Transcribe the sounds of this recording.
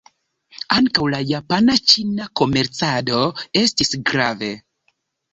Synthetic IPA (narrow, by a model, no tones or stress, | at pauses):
aŋkawlajapanat͡ʃinako̞me̞ɾt͡sado̞e̞stisɡɾave̞